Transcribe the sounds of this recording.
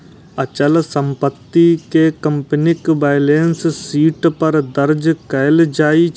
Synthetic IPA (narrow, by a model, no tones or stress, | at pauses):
ɐt͡ʃəlsə̃mpət̪ːikekə̃mpənɪkbaɪleːnssiːʈpɐɾd̪əɾd͡ʒkɐld͡ʒaːi